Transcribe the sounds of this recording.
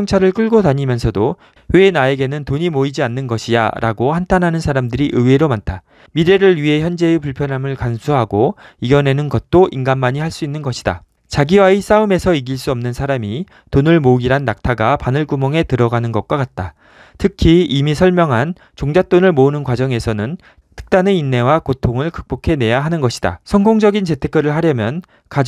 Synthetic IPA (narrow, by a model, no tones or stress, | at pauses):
ʌŋt͡ɕʰaɾɯɭk͈ɯɭɡotaɲimjʌnsʰʌdo | wenae̞ɡe̞nɯntoɲimoid͡ʑianːɯnɡʌɕʰija̰ɾʔa̰ɡohantʰanɦanɯnsʰaɾamdɯɾiʔɯweɾomantʰa | miɾe̞ɾɯɭɥiɦe̞çjʌnd͡ʑe̞ɯpuɭpʰjʌnɦamɯɭkansʰuɦaɡoiɡʌne̞nɯnɡʌt̚t͈oʔinɡanmaɲihaɭs͈uinːɯnɡʌɕʰida̰ | t͡ɕaɡiwais͈aɯme̞sʰʌiɡiɭs͈uʌmnɯnsʰaɾami | tonɯɭmoɡiɾanːak̚tʰaɡapanɯɭkumʌŋe̞tɯɾʌɡanɯnɡʌk̚k͈akat̚t͈a | tʰɯkʰiimisʰʌɭmjʌŋɦan | t͡ɕoŋd͡ʑat͈onɯɭmounɯnkwad͡ʑʌŋe̞sʰʌnɯn | tʰɯ̥k̚t͈aneinːe̞wakotʰoŋɯɭkɯk̚p͈okʰe̞ne̞jaɦanɯnɡʌɕʰi̥d̥a̰sʰʌŋɡoŋd͡ʑʌɡint͡ɕe̞tʰek͈̚ʌɾɯɭɦaɾjʌmjʌn | ka